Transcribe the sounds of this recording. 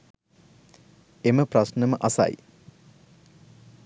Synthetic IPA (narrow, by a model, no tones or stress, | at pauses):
eməprɐsnəməʔɐsa̰j